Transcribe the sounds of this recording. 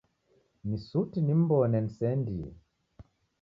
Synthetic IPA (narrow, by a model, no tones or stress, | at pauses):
nisutinim̩bɔnɛnsɛndi